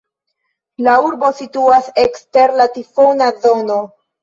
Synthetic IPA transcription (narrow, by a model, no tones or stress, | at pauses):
lauɾbo̞situasekste̞ɾlatifo̞nazo̞no̞